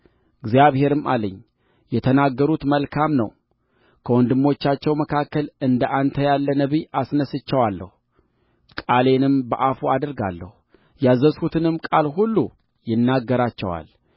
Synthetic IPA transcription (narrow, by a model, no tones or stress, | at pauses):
ɨɡzjaβhe̞ɾɨma̰ləɲː | jɛt̪ʰənaɡːəɾut̪məlkʰamnə̰w | kʰəwɔnd̪ɨmːo̞t͡ʃːat͡ʃːɛwməkʰakːəlɨnd̪əʔant̪ʰəjalːənəβiʔasnəsɨt͡ʃːɛwalːə̰hu | kʼale̞nɨmbəʔafuad̪əɾɡa̰lːə̰hu | jazːəshut̪ʰɨnɨmkʼalɦulːu | jɪnːaɡːəɾat͡ʃːɛ̰wa̰l